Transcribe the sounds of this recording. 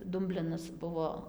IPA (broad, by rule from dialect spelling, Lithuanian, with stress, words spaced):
ˈdʊmʲbʲlʲɪnɐs ˈbʊʋoː